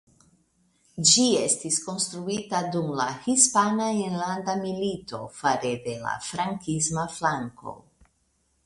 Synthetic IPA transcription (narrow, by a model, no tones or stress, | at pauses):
d͡ʒie̞stisko̞nst̪ɾuitadumlahispanaeɾlandamilito̞faɾed̪e̞la̰fɾaŋkismaflaŋko̞̰